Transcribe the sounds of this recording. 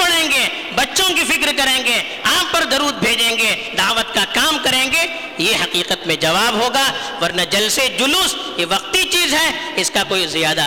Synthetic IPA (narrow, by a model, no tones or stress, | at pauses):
ɐɽẽːŋɡeː | bɐtːʃõkifɪkɾkɐɾẽːŋɡeː | aːppɐɾd̪ɐɾuːd̪̚bʱeːd͡ʒẽːŋɡeːd̪aːʋət̪kakaːmkɐɾẽːŋɡe | jeɦɐqiːqət̪mẽd͡ʒɐʋaːbɦoːɡaː | ʋɐɾnad͡ʒɐlsed͡ʒʊlʊs | jeʋɐq̚t̪it͡ʃiːzɦɛː | ɪskakoːizijaːd̪a